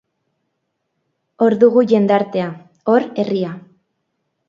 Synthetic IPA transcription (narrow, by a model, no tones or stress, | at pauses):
o̞ɾðuɣuʝe̞nd̪aɾt̪e̞a | o̞ɾe̞ria